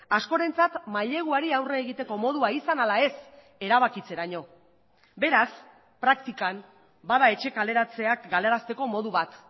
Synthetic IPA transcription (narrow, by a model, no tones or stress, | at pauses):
asko̞ɾe̞nt͡sat̪maʎe̞ɣ̞uaɾiawre̞ːɣit̪e̞ko̞mo̞ð̞uaisanalae̞s | e̞ɾaβ̞akit͡se̞ɾaɲo̞ | be̞ɾas | pɾakt̪ikam | baðae̞t͡ʃe̞kale̞ɾat͡se̞akɡale̞ɾast̪e̞ko̞mo̞ðuβat̪